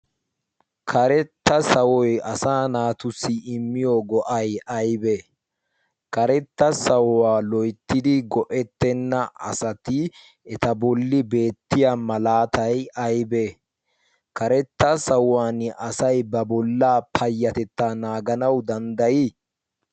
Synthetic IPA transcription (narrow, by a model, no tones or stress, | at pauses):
kʰɐɾɛt̪ːɐsɐwɔjɐsaːnaːt̪ʊsːɪɪmːɪjoːɡɔʔɐjɐjbɛ | kɐɾɛt̪ːɐsɐwwaːlɔjt̪ːɪd̪ɪɡɔʔɛt̪ːɛnːɐʔɐ̰sɐt̪ɪ | ɛt̪ɐbɔlːɪbe̞ːt̪ːɪjamɐlaːt̪ɐjʔɐjbe | kɐɾɛt̪ːɐsɐwwaːnɪʔɐsɐjbɐbɔlːaːpʰɐjːɐt̪ɛt̪ːanaːɡɐnɐwd̪ɐnd̪ɐjɪ